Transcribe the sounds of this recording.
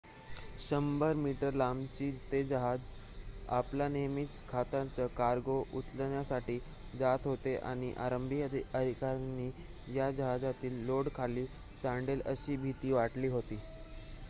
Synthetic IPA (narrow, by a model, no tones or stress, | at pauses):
ɕəmbəɾmiʈəɾlamt͡ɕiːt̪ed͡ʑəɦad͡z | a̰planemit͡skʰat̪ãt͡səkaɾɡoʔut̪ləɳjasaʈiː | d͡zat̪ɦot̪eʔa̰ɽ̃iʔaɾəmbʱiəd̪əd̪ʱikaɾniː | jad͡ʑəɦad͡zat̪iːlːoɽkʰaliː | sãɳɖeləɕiːbʱit̪iːʋaʈliːɦot̪iː